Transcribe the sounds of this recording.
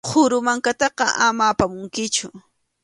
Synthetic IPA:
hʰʊɾʊmaŋkat̪ɑqɑʔamaːpamʊŋkɪt͡ʃʊ

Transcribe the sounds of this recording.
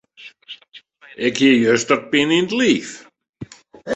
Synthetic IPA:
ɛkʰjɛjœst̪aɾ̚pɪnint̪lif

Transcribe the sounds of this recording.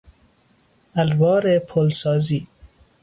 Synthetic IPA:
alwɑːɾepʰolsɑːziː

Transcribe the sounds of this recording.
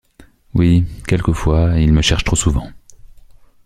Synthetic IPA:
wikʲɛlkəfwailməʃɛʁʃt̪χosuvɑ̰̃

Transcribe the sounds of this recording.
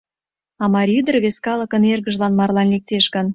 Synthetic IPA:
ɑmɑɾʲyd̪ə̆rβeskɑlə̆kə̆nerɣə̆ʒlɑnmɑrlɑnlek̚t̪eʃkə̆n

